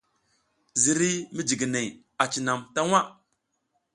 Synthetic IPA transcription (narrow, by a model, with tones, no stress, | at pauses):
zi˨ɾi˦mi˦d͡ʒi˨ɡi˨ne˨ | a˨t͡ʃi˨na˨mta˦ŋʷa˦